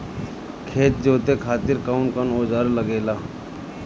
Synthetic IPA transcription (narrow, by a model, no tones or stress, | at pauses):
kʰeːt̪̚d͡ʒoːt̪ekʰaːt̪ɪɾkaːʊnkənoːd͡ʒaːɾləɡeːlaː